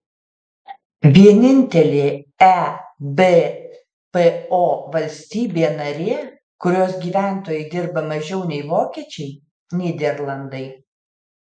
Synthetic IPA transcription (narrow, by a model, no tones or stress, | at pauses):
ʋʲiɛnʲɪnʲt̪ʲɛlʲeːæbe | peoːʋɐlʲsʲt̪ʲiːbʲeːnɐɾʲeɛ | kʊɾʲoːsɡʲiːʋʲæˑnt̪oːjɛɪd̪ʲɪɾbɐmɐʒʲɛʊnʲɛɪʋoːkʲiɛt͡ʃʲɛɪ | nʲiːd̪ʲɛɾlˠɐnd̪ɐɪ